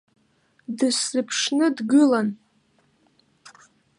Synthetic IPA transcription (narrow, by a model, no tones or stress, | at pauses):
dɨsɨpʰʂnɨdɡɨlan